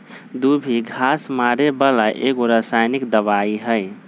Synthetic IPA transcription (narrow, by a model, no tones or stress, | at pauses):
d̪ubʱiɡʱasmaɾebəlaʔekoɾəsajnikd̪əβaiɦəɪ